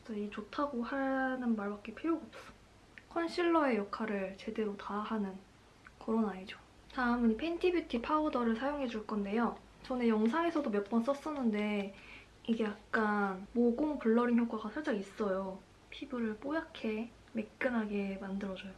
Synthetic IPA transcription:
t͡ɕʌit͡ɕotʰaɡohanɯnmaɭbak̚k͈e̞pʰejoɡop̚s͈ʌ̥ | kʰʌnɕʰiɭːʌe̞jʌkʰaɾɯɭt͡ɕe̞de̞ɾotahanɯn | kʌɾonaid͡ʑo | taɯmɯnipʰe̞ntʰibjitʰipʰaodʌɾɯɭsʰajoŋɦe̞d͡ʑuɭk͈ʌnde̞jo | t͡ɕʌnejʌŋsʰaŋe̞sʰʌdomjʌk̚p͈ʌns͈ʌs͈ʌnːɯnde̞ | iɡe̞jak̚k͈anmʌk͈oŋpɯɭːʌɾinçjok͈aɡasʰaɭt͡ɕ͈aŋis͈ʌjo | pʰibɯɾɯɭp͈ojakʰe̞ | me̞k̚k͈ɯnɦaɡe̞mandɯɾʌd͡ʑʌjo

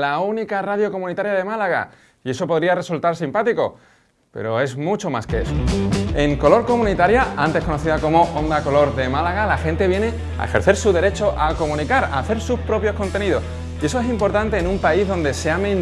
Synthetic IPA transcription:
launikarað̞jo̞ko̞mũnit̪aɾjað̞e̞malaɣa̰ | ie̞so̞po̞ðɾiare̞sult̪aɾsimpat̪iko̞̰ | pe̞̰ɾo̞e̞zmut͡ʃo̞maskeḛsoe̞ŋko̞lo̞ɾko̞mũnit̪aɾjaant̪e̞hko̞noθiðako̞mo̞ʔond̪ako̞lo̞ɾðe̞malaɣalaxẽ̞nt̪e̞βje̞ne̞ | a̰e̞̰xe̞ɾθe̞ɾsuðe̞ɾe̞t͡ʃo̞ʔako̞mũnikaɾa̰ːθe̞ɾsuspɾo̞pjo̞sko̞nt̪e̞niðo̞s | ie̞so̞e̞simpo̞ɾt̪ant̪e̞ːnũmpaizðo̞nd̪e̞se̞ame

